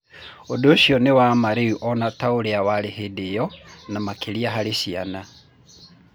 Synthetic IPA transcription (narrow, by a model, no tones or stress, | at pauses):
odoʃjɔnewamaɾeuʔɔnataoɾeawalehedejɔnamakʰeliaɦaleʃia̰na